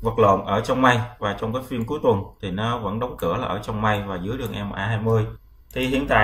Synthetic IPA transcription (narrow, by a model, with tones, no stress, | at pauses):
və˨˩t̚lo̰˧˨nʔəː˧˩t͡ɕɔ˧wŋ͡mma˧jvaː˨˩t͡ɕɔ˧ŋ͡mkaː˨˦jfi˧ənku˨˦jt̪wə˨˩nt̪ʰi˨˩nɔ˨˦və̰˧˥nɗə˨˦wŋ͡mkɨ̰˧˩əlaː˨˩ʔəː˧˩t͡ɕɔ˧wŋ͡mma˧jvaː˨˩zɨ̰˨˦əjɗɨ˧˩əŋʔɛ˧m˨˩ʔaː˧ɦaː˧jmɨ˧əj | t̪ʰi˨˩hḭ˧˨ənt̪a̰ː˧˨